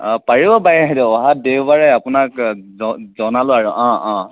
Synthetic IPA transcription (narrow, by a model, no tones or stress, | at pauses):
paɹibɔbajaɦdɔɔɦadewbaɹɛjapʊnakzɔzɔnalʊaɹuʔɔ̃ɔ̃